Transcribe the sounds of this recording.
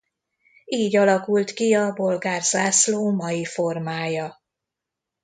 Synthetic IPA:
iːɟɒlɒkult̪kiɒbo̞lɡaːrzaːsloːmɒjifo̞rmaːjɒ

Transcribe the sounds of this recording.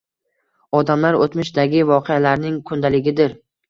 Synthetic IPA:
ɒd̪amlaɾot̪mɪʃd̪aɡʲɪvɒqʰealaɾnɪŋkʰʊnd̪alɪɡʲɪd̪ɪɾ

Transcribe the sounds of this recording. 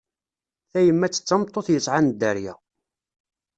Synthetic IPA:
θæjəmːæt͡sːə̥t͡sːɑmt̪ˤːoθjəsˤʕand̪æɾjæ̰

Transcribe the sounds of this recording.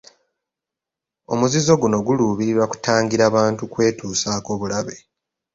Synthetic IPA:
o̞̰muzizo̞ɡuno̞ɡuluβiɾiɾwaku̥taːŋɡiɾaːβaːntukwe̞ːtuːsaːko̞ːβulaβe̞

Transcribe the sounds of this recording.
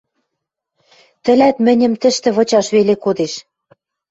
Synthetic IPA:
t̪ɘ̆læt̪mɘ̆nʲɘ̆mt̪ɘ̆ʃt̪ɘ̆βɤ̆t͡ɕɑʃβelekod̪eʃ

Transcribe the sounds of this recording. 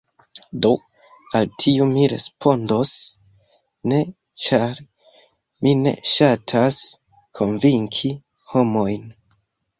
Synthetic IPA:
do̞ | altʰiumiɾe̞̰spʰo̞ndo̞s | ne̞ | t͡ʃaɾ | mine̞̰ʃatʰas | kʰo̞nviŋkʰi | ho̞mo̞jn

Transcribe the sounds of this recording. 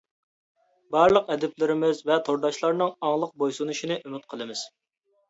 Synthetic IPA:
bɑɾlˠəqɛd̪ɪplɪɾɪmɪzvɛt̪ʰoɾd̪ɑʃlˠɑɾnɨŋɑŋlˠəq̚bojsunuʃinɨʔymɪt̪̚qʰəlˠɨmɪz̥

